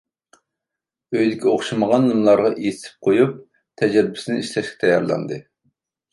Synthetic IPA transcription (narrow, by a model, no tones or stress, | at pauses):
øjd̪ɪkʲʰɛoχʃiməʁɑnlˠɨmlˠɑɾʁɑʔijsʰɪ̥p̚qʰojup̚ | t̪ʰɛd͡ʒɛɾbɪ̥sɪnɪiʃlɛʃkʲʰɛ̥t̪ʰɛjːɑ̰ɾlˠɑ̰nd̪ɨ